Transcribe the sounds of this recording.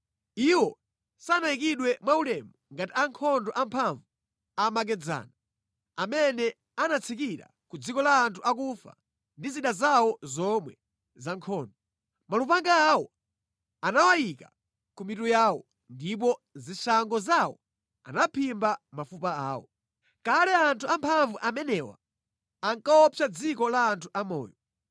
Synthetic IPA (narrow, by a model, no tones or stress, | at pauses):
iwɔ | sanajikiɗwɛmwaulɛmuŋɡatiaŋkʰɔndɔʔampʰaɱvu | amak̬ɛd͡za̰ːna | amɛnɛ | anat͡sʰikiɾa̰ | kud͡zikɔlaːntʰuak̬ufa̰ | ndiziɗazawɔzɔmwɛ | zaŋkʰɔːndɔ | malupaŋɡaːwɔ | anawajika | kumitujaːwɔ̰ | ndip̬ɔziʃaŋɡɔzawɔ̰ | a̰napʰimbamafupaaːwɔ̰ | kalɛantʰuampʰaɱvuʔamɛnɛwa̰ | aŋkaɔt͡ʃʰad͡zikɔlaːntʰuʔamɔ̰ːjɔ